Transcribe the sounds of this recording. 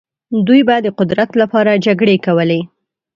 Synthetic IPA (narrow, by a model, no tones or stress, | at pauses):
d̪ujbajd̪ːəqʊd̪ɾat̪lapɑɾad͡ʒaɡɽekawəle